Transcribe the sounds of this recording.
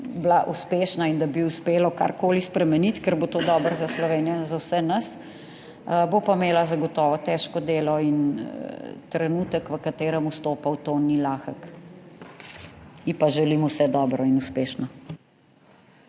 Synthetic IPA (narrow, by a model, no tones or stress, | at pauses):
blaʔuspeːʃnaind̪abiuspeːlɔka̰ɾkoːlispɾɛmɛnit̪kəɾbot̪oːd̪ɔːbəɾzaslɔʋeːnijɔnzawsɛnəs | bopameːlazaɡɔt̪ɔːʋɔt̪ɛːʃkɔd̪eːlɔin | t̪ɾɛnuːt̪əkʋəkat̪eːɾəmust̪oːpawt̪oːnilaːxək | ipaʒɛliːmɔwsɛd̪ɔːbɾɔinuspeːʃna